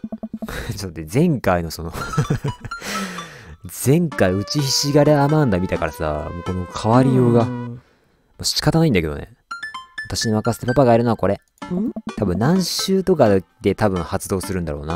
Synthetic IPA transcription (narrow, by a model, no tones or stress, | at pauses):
t͡ɕ̪t̪ːezẽ̞ŋkaino̞so̞no̞ | d͡zẽ̞ŋkaiɯ̟t͡ɕiçiɕiɡaɾeamãnd̪amʲit̪akaɾasa̰moːko̞no̞kʰaβaɾʲijo̞ːɡa | moːɕi̥i̥kat̪anaĩnd̪ake̞d̪o̞̰nḛ | βat̪aɕiɲimakasɨ̥t̪epapaɡaiɾɯ̟noako̞ɾe | t̪ʰabɯ̟nːãɰ̃ɕɨːt̪o̞kad̪e̞t̪abɯ̟̃ɰ̃hat͡sɨd̪o̞ːsɨɾɯ̟̃nd̪a̰ɾo̞ːna̰